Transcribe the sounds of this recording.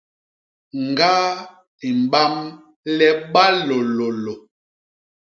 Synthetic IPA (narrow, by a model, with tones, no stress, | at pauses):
ŋ˨ɡa˦ | i˨m˨ba˦m | lɛ˦ɓa˦lo˨lo˨lo˨